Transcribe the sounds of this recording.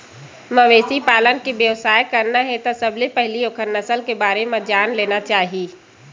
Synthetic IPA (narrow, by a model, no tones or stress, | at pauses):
məʋeːsipaːlənkiʋjəʋsaːjkəɾnaɦɛt̪osəblepɛɦliokʰəɾnəsəlkebaːɾemẽd͡ʒaːnleːnat͡ʃaːɦiiː